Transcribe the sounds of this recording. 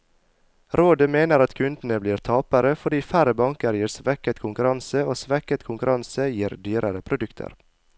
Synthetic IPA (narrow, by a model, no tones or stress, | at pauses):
ɾoːd̪əmeːnəɾɑt̪kʰʉnd̪n̩əbliːɾt̪ʰɑːpəɾəfɔɖiːfæɾəbɑŋkəɾjiːɾsʋɛkət̪kʰʊŋkʉɾɑnsəoːsʋɛkət̪kʰʊŋkʉɾɑnsəjiːɾd̪yːɾəɾəpʰɾʊd̪ʉkt̪ʰə̰ɾ